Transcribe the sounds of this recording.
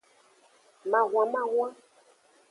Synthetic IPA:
mã˨ɣw̃ã˨mã˦ɣw̃ã˦

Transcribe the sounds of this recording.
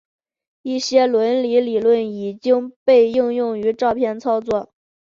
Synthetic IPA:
i˥˩ɕjɛ˥lwə˧˥nli˧˥li˨˩lwə˥˩ni˨˩t͡ɕi˥ŋpe˥˧ɪi˥˧ŋjʊ˥˩ŋy˧˥ʈ͡ʂɑ˥˧ʊpʰjɛ˥˩nt͡sʰɑ˥ʊt͡swɔ˥˩

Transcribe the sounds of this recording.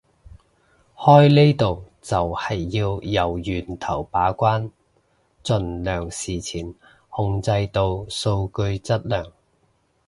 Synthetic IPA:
hɔː˥jle˥jt̪o˨w | t͡sɐ˨whɐ˨˩jːiː˧wjɐ˨˩wjyː˨˩nt̪ʰɐ˨˩wpaː˨˥kʷaː˥n | t͡sɵ˨˩nlœː˨˩ŋsiː˨˩t͡sʰiː˨˩n | hʊ˧ŋt͡sɐ˧jt̪o˧wso˧wkɵ˧ɥt͡sɐ˥t̚lœː˨˩ŋ

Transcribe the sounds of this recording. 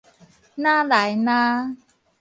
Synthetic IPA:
naː˥˩la˨˦jnaː˦˥˩

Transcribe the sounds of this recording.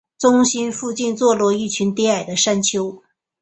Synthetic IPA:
t͡sʊ˥ŋɕi˥nfu˥˧t͡ɕi˥˧nt͡swɔ˥˧lwɔ˥˧i˥˩t͡ɕʰy˧˥nt̪jɛ˥a˨˩ɪd̪ə˦ʂa˥nt͡ɕʰjo˥ʊ

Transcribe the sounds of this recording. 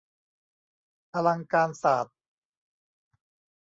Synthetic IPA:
pʰa˧la˧ŋkaː˧nsaː˨˩t̪̚

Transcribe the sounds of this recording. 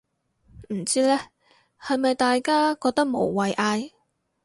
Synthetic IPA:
m̩˨˩t͡siː˥lɛː˥ | hɐ˨jmɐ˨jt̪aː˨jkaː˥kɔː˧k̚t̪ɐ˥k̚mo̰˨˩wwɐ˨jʔaː˧j

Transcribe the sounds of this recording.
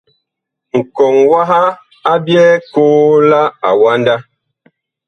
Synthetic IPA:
ŋ̩˨kɔ˨ŋwa˦ɦa˦ | a˦bjɛː˦koː˦la˦a˨wa˦nda˦

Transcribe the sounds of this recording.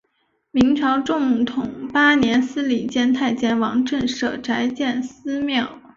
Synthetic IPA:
mi˧˥ŋʈ͡ʂʰɑ˧˥ʊʈ͡ʂʊ˥˧ŋt̪ʰʊ˨˩ŋpa˥njɛ˧˥nsɹ̩˥li˨˩t͡ɕjɛ˥nt̪ʰa˥˩ɪt͡ɕjɛ˥nwɑ˧˥ŋʈ͡ʂə˥˩nʂɤ̰˨˩ʈ͡ʂa˧˥ɪt͡ɕjɛ˥˩nsɹ̩˥mjɑ˥˩ʊ

